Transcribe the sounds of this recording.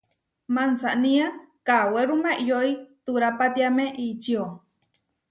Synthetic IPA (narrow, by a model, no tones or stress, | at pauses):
mansaʔnĩa | kaweɾumaʔjoit̪uɾapat̪iameʔit͡ʃio